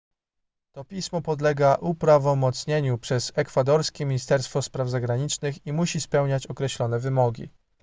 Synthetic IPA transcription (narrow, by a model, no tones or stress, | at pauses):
t̪ɔpʲismɔpɔd̪lɛɡaʔupɾavɔmɔt̪sɲeɲupʂɛzɛkfad̪ɔɾskʲɛmʲiɲist̪ɛɾst̪fɔspɾavzaɡɾaɲit͡ʂnɘximuɕispɛwɲat͡ɕɔkɾɛɕlɔn̪ɛvɘmɔɡʲḭ